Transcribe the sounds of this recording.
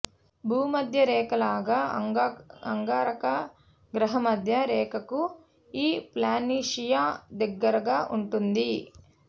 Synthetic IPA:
bʱuːmɐd̪ʱjɐɾɛːkɐlaːɡaː | ɐŋɡaːɾɐkɐ | ɡɾɐɦɐmɐd̪ʱjɐɾɛːkɐku | iːplaːniːʂijaːd̪ɐɡːɐɾɐɡaːʔuɳʈund̪i

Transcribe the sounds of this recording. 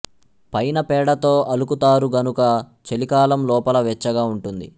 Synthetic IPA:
pɐjnɐpɛːɽɐt̪o̞ːʔɐlukut̪aːɾuɡɐnukɐ | t͡ʃelikaːlɐmlɔːpɐlɐʋɛt͡ʃːɐɡaːuɳʈund̪ḭ

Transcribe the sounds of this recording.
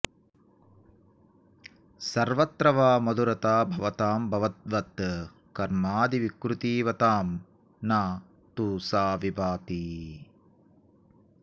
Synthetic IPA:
sɐɾʋɐt̪ɾɐʋaːmɐd̪uɾɐt̪aːbʱɐʋɐt̪aːmbʱɐʋɐt̪̚ʋɐt̪ | kɐɾmaːd̪iʋikɾut̪iːʋɐt̪aːm | naː | t̪uːsaːʋibaːt̪i

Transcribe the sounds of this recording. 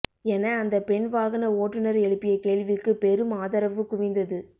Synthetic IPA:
ɛnɐːnd̪ɐpɛɳʋaːɣɐnɐoːʈːɯnɐɾɛɻɯpːɪjɐkeːɭʋɪkːɯpɛɾɯmaːðɐɾɐʋɯkʊʋɪnd̪ɐðɯ

